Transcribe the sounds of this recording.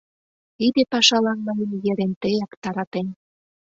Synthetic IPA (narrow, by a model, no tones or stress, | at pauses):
id̪ĕpɑʃɑlɑnmɤjənjĕɾent̪ejɑkt̪ɑɾɑt̪en